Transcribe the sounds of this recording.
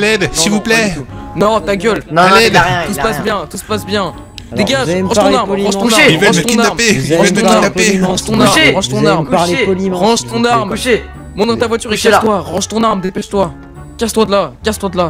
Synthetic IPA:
lɛd̪silvuplɛnɔ̃t̪aɡʲœlnlɛd̪j̪̃usəpasbjɛ̃t̪usə̥pasbjɛ̃ | d̪eɡʲaʒʁɑ̃ʃɔ̃naʁmɑ̃ʒt̪ɔ̃aʁvãt̪ɔ̃inaʁmpeiɑvaəiaaeʁɑ̃ʃt̪ɔ̃naʁʁɑ̃ʒt̪ɔ̃naʁm | ʁɑ̃ʒt̪ɔ̃naʁm | mɔ̃d̪ʁɑ̃t̪avwat̪yʁekat̪waʁɑ̃ʒt̪ɔ̃naʁmd̪epɛʃt̪wa | kʲast̪wad̪lakʲast̪wat̪la

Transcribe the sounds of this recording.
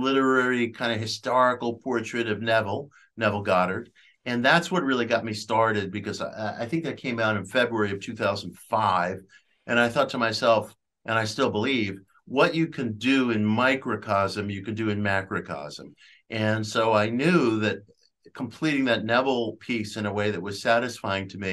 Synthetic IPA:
lɪɾə˞ɛɹikʰãɪ̃ndɨɦɨstɑɹɨkl̩ˠpʰɔɹt͡ʃɹ̥ɨɾʌvnɛvl̩ˠ | nɛvl̩ˠɡɑɾə˞d | ɨ̃nðætswʌt̚ɹɪlˠiɡɑt̚mistɑɹɾɨd̚bɨkʌza̰ɪθɪ̃ŋk̚ðɨt̚kʰẽɪ̃maʊɾ̃nfɛbɹuɛɹiʌv̥tʰʉθaʊzn̩dfaɪv | ʔɨ̃ɾ̃ñaɪθɔtʰəmaɪsɛlˠf | ʔɨ̃ɾ̃aɪstɪlˠbəliv | wʌt͡ʃɨkʰɨ̃ndɨɪ̃nmaɪkɹɨkʰɑzɨ̃mjɨkɨ̃ndɨɨ̃nmækɹɨkʰɑ̰z̥ə̰̃m | ʔɨ̃nsoʊaɪnjʉðɨt̚ | kʰm̩pʰl̥iɾɪ̃ŋðɨtⁿnɛvl̩ˠpʰisɨ̃nəweɪðɨt̚wʌz̥sæɾɨsfaɪɪ̃ŋtʰɨmi

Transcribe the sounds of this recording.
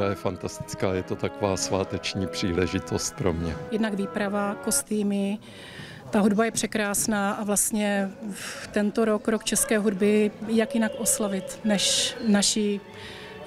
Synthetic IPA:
ajɛfant̪ast̪ɪ̥t͡skaːjɛt̪ot̪akovaːsvaːt̪ɛt͡ʃɲiːpr̝̥iːlɛʒɪt̪ost̪̚pɾo̰mɲɛ̰jɛdnaɡviːpɾavako̞st̪iːmɪ | t̪aɦudbajɛpr̝̥ɛkɾaːsnaːʔavlast̪ɲɛ | t̪ɛnt̪oɾo̞kɾokt͡ʃɛskɛːɦudbɪjakjɪnakʔo̞slavɪt̪nɛʃnaʃɪ

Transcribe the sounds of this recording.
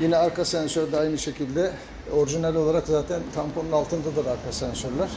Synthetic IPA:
jinɛaɾkasænsøɾd̪ɛajnɯʃe̞cʰilʲd̪ɛ | o̞ɾʒinælʲo̞lˠaɾakzaːt̪ʰænt̪ʰampʰonunalˠt̪ɯnd̪ad̪ɯɾaɾkʰasænsøɾlʲæɾ̥

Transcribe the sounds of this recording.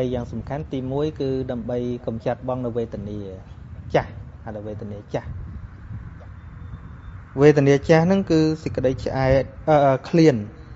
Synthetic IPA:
əjːaːŋsɑmkʰant̪iːmuəjkɨːɗaəmɓəjkɑmt͡ɕat̪̚ɓɑŋnɨwʋeːt̪əniət͡ɕahhaɗwʋeːt̪əniət͡ɕah | ʋeːt̪̬əniət͡ɕahnɨŋkɨːsəc̚kːə̆ɗəjt͡ɕʰəʔaɛt̪̚ʔəːkʰliən

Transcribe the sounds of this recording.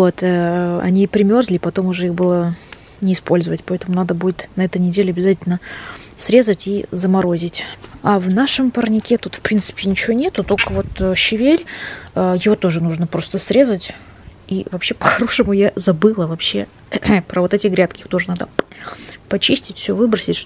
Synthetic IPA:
vo̞t̪əɐ̰nʲipɾʲɪmʲo̞rzlʲɪpɐt̪o̞mʊʐɛixbɨlˠə | nʲɪɪspo̞lʲzəvətʲpɐɛt̪əmʊnad̪əbudʲɪt̪nɐɛt̪ənʲɪdʲelʲɪɐbʲɪzatʲɪlʲnə | sɾʲe̞zətʲizəmɐɾo̞zʲɪtʲavnaʂɨmpərnʲɪkʲet̪ut̪fpɾʲint̪sɨ̥pʲɪnʲɪt͡ɕɪvonʲe̞t̪ʊt̪o̞lʲkəvo̞t̪ːɕɪvʲelʲəjɪvot̪o̞ʐɨnuʐnəpɾo̞st̪əsɾʲe̞zətʲ | ivɐpɕːe̞pə̥xɐɾo̞ʂɨmʊjazɐbɨlˠəvɐpɕːe | pɾəvo̞t̪ɛtʲɪɡɾʲat̪kʲɪixt̪o̞ʐɨnad̪ə | pɐt͡ɕisʲtʲɪtʲfsʲovɨbɾəsʲɪtʲʂ

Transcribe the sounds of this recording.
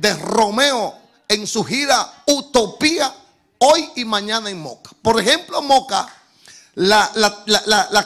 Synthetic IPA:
d̪ero̞meo | eŋsuhiɾaut̪o̞pia | ojimãɲãnaeŋmo̰kḁpoɾexemplomoka̰ | lalalalala

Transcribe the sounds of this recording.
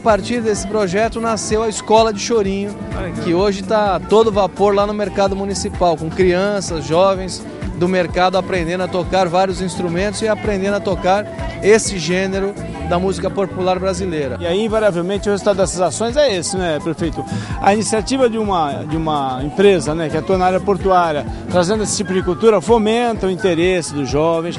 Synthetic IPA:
apaɾt͡ʃiɾd̪esɪ̥pɾoʒɛt̪ʊnasewɐiskɔlɐd͡ʒɪʃoɾĩɲʊkɪoʒɪt̪at̪od̪ʊvapoɾlanʊmeɾkad̪ʊmũnisipawkõkɾiɐ̃sɐzʒɔvẽj̃s | d̪ʊmeɾkad̪ʊapɾẽnd̪ẽnd̪ʊɐt̪okaɾvaɾiʊzĩst̪ɾumẽnt̪ʊzɪapɾẽnd̪ẽnd̪ʊɐt̪okaɾ | esɪʒẽneɾʊ | d̪ɐmuzikɐpopulaɾbɾazilejɾɐɪaiĩvaɾiavewmẽnt̪t͡ʃɪʊhezut̪ad̪ʊd̪ɛsɐzasõj̃zɛesɪnɛpɾefejt̪ʊɐ̰inisiat͡ʃivɐd͡ʒɪũmɐd͡ʒɪũmɐẽpɾezɐnɛkɪat̪uɐnaaɾjɐpoɾt̪uaɾjɐt̪ɾazẽnd̪ʊesɪ̥t͡ʃipʊd͡ʒɪkult̪uɾɐfomẽnt̪ɐʊĩt̪eɾesɪd̪ʊzʒɔvẽj̃s

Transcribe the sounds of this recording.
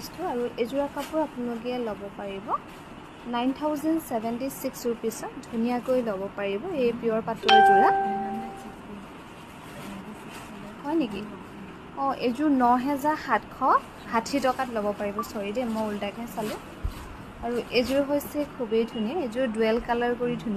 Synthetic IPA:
stʊaɹuʔezuɹakapʊɹapʊnalok̬iɛlɔbɔpaɹibɔ | najnt̪ʰawzɛndsɛbʱɛntisiksɹupisɔtdʱunijakojlɔbɔpaɹibɔejpiɔɹpatɔduɹa | hɔjniki | ɔ̃ʔezʊɹnɔɦɛzaɹxatkʰɔ̃ | hatʰitɔkatlobɔpaɹibɔsɔɹidɛmojuldakɛsalʊ̃ | aɹuʔezuɹɦojsɛkʰubejdʰʱuniɛezʊɹdʊɛlkalaɹkoɹidʰʱun

